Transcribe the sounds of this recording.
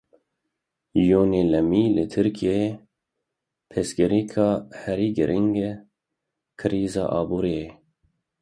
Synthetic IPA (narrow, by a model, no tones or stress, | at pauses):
joːneːlɛmiːlɨt̪ʰɨɾkʰijee | pʰɛsɡɪɾiːkʰɑːhɛɾiːɡɨɾʔiŋɡ | kʰɨɾiːzɑ̰ːʔɑːbuːɾiːe